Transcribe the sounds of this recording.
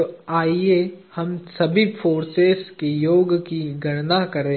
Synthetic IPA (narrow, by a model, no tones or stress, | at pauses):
aːiehɐmsɐbʱifoːɾseskijoːɡkiɡʱɐɽnakɐɾẽː